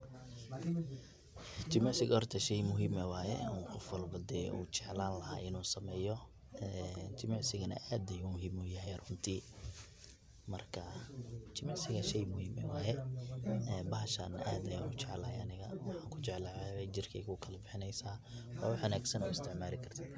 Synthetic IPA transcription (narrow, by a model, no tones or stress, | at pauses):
t͡ʃɪmɛʕsɪɡhɔrt̪ʰɐʃɛjmʊɦiːmɛwaːjɛ̰uqɔfwɐlbɐd̪ɛʔṵːt͡ʃɛʕlaːnlɐɦa̰ːʔɪnuːsɐmɛːjɔ | ɛt͡ʃɪmɛʕsɪɣɐnɐ̰ʔaːd̪ɐjumʊɦiːmʊjɐɦɛjrʊnt̪ʰiː | mɐrkʰɐt͡ʃɪmɛʕsɪɣɐʃɛjmʊhiːmɛ̰wɑːjɛ | ɛːbɐɦɐʃɐnʔaːd̪ɐjanʊt͡ʃɛʕlɐːjɐnɪɣɐwɑħaːŋkʰʊt͡ʃɛʕlaʕɛɛt͡ʃɪrkʰɛjkʊkʰɐlɐbɪħɪnɛjsaːɔ̰ːʊħɐnaːɡsɐnʊɪst̪ʰɪʕmaːlɪkʰɐrt̪ʰɪ